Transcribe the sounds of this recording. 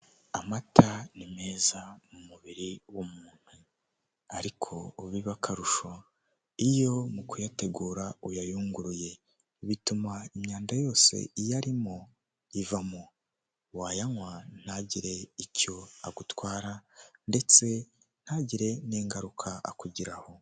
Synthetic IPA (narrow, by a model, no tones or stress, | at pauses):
amatʰanime̞ːzamumuβiɾiwumuːn̥hu | aɾikʰo̞ːβiβakʰaɾuʃo | ijo̞mukujate̞ɡuːɾaujajuːŋɡuɾuje̞ | βitumaimɲaːndajo̞ːse̞̰ijaɾimo | ivamo | waːjaŋwan̥aɟiɾe̞ico̞aɡutwaːɾande̞t͡se̞ | n̥haɟiɾe̞niːŋɡaɾukʰaa̰kuɟiɾaho̞